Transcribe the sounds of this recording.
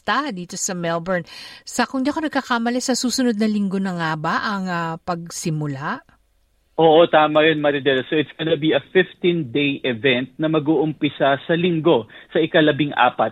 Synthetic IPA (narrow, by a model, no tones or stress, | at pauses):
t̪ad̪iːt̪o̞sɐmɛlbɛɹnsɐkʊŋd̪iʔɐko̞nɐɡ̚kɐkaːmɐlɛsɐsuːsʊnod̪̚nɐlɪŋɡo̞nɐŋabaʔɐŋɐpɐɡ̚sɪmʊlaʔ | ʔoːʔot̪aːmɐjɐnmɐɾɪd̪ɛlsoʔɪt̪sɡ̥ɐnɐbiʔɐfɪft̪ĩnd̪ejʔɛvɛnt̪̚nɐmɐɡuːʔʊmpɪsɐsɐlɪŋɡo̞sɐʔɪkɐlɐbɪŋʔa̰ːpɐt̪̚